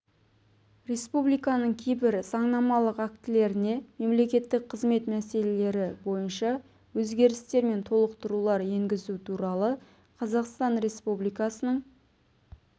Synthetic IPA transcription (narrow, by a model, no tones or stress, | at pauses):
ɾe̞spublijkɑnəɴkʲʰejbɪɾsɑɴnɑmɑlˠəqækt̪ɪle̞ɾɪne̞me̞mle̞kʲe̞t̪ːɪk̚qʰəzme̞t̪mæse̞le̞le̞ɾɪbo̞jənʃɑ | wɵzɡʲe̞ɾɪst̪e̞ɾme̞nt̪ʰo̞lˠəqt̪əɾulˠɑɾje̞ŋɡʲɪzut̪ʰuɾɑlˠə | qʰɑzɑqst̪ɑnɾe̞spublijkɑsənəɴ